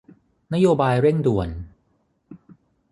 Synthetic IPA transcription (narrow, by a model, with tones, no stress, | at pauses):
na˦˥joː˧baː˧jɾe˥˩ŋdu˨˩ən